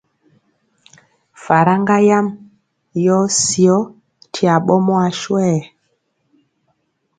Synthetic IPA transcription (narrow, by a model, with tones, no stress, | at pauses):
fa˨ɾa˦ŋɡa˦ja˦m | jɔ˦si˨ɔ˦ | tʰi˨a˨ɓɔ˦mɔ˦a˨ʃwɛ˦˨